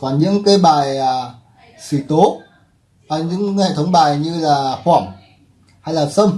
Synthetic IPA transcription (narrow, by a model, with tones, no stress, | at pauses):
kwaː˧˩nɲɨ̰˧˥ŋkaaː˨˧˦jɓaː˨˩jaː˨˩ | si˧˩t̪o˨˦ | ʔa˨˩ɲɨ̰˧˥ŋhḛ˧˨t̪ʰə˨˦wŋ͡mɓaː˨˩jɲɨ˧laː˨˩xwaː˧˩m | ha˧jlaː˨˩sə˧wŋ͡m